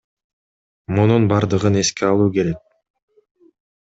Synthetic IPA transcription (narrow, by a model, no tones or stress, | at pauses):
mununbɑɾd̪ɯʁɯne̞skeɑlˠuːke̞ɾe̞k̚